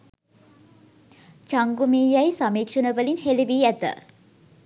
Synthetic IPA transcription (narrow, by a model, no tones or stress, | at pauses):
t͡ʃaŋɡumiːjajsamiːkʂənəʋəlinheliʋiːæt̪ə̰